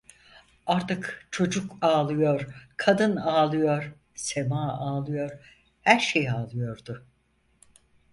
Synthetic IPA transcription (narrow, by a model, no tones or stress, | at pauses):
aɾt̪ɯkt͡ʃʰo̞d͡ʒukaːlˠɯjo̞ɾkʰad̪ɯnaːlˠɯjo̞ɾ | semaːaːlˠɯjo̞ɾ̥ | hæɾʃejaːlˠɯjo̞ɾd̪ʊ